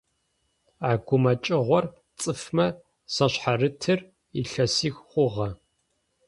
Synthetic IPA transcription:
aːɡʷʊmɐt͡ʃʼɪʁʷɔr | t͡sʼɨfmɐ | sɐɕħarɨtʰɨr | ḭɬɐsiːxχʷʊʁɐ

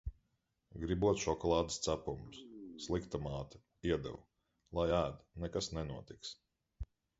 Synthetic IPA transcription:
ɡɾibuɔt̪ʃɔkɔlˠɑːd̪ɨst̪sæpumsslˠikt̪amaːt̪ɐ̥ | iɛd̪ɛ̰w | lˠajæːd̪nɛkasnɛnuɔt̪iks

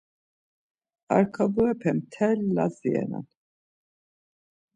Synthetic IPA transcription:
a̰ɾkʰabuɛpʰɛmt̪ʰɛlːaziɛ̰na̰n

